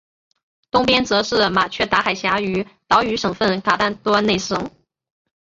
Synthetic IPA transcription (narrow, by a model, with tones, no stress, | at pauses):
t̪ʊ˥ŋpjɛ˥nt͡sɤ˧˥ʂɻ̩˥˩ma˨˩t͡ɕʰɥɛ˥˩t̪a˧˥xa˨˩ɪɕja˧˥y˧˥t̪ɑ˧˥ʊy˧˥ʂɤ˨˩ŋfə˥˩nkʰa˨˩t̪a˥˩nt̪wɔ˥ne˥˩ɪʂɤ˨˩˦ŋ